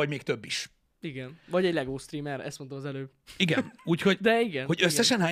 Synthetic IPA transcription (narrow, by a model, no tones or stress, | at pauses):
ɒɟmeːk̚t̪øbːiʃ | iɡɛnvɒɟɛɟlɛɡoːst̪ɾiːmɛɾɛ̰st̪mo̞nt̪omɒzɛløːb | iɡɛnuːcho̞ɟd̪ɛiɡɛnhoɟøsːɛʃɛnɦaː